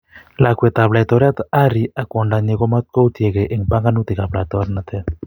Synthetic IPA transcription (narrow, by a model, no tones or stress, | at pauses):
lakwet̪aβlaet̪oɾeat̪aɾiakwoɳɖaɲeɣomat̪̚kowt̪jeɣeʔeŋbaŋɡanut̪ekaβlat̪oɾnat̪e